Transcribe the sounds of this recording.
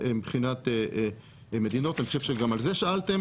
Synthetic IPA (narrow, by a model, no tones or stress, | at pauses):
mbχinat̪e | me̞d̪ino̞t̪aniχoʃevʃeɡamalzeʃaalt̪e̞m